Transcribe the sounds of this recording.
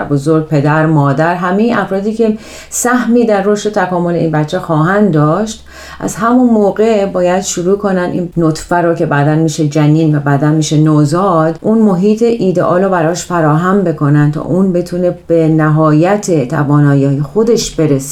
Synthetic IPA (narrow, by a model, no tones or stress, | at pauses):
bozoɾɡ̚pʰe̞d̪æɾmɒːd̪æɾɦæmeiʔæfɾɒːd̪iːce̞ | sæhmiːd̪ærːoʃt̪e̞t̪ʰækɒːmole̞iːnbæt̪t͡ʃʰːexɒːɦænd̪d̪ɒːʃt̪ | ʔæ̰zɦæmonmoːɣebɒːjæd̪̥ʃuɾuːkʰonænd̪ḭnnot̪ʰfæɾɔːcʰe̞bæːd̪ænmiːʃed͡ʒæniːnvæbæd̪ænmiːʃenozɒːd̪ʔunmoɦiːt̪ʰeʔiːd̪ḛʔɒːɾɔːbæɾɒːʃfæɾɒːɦæmbe̞kʰo̞nænt̪ʰɒ̰ʔuːnbe̞t̪ʰuːnebenæɦɒːjæt̪ʰet̪ʰæ̰vɒːnɒːjɒːjexo̞d̪e̞ʃb̥e̞ɾese̥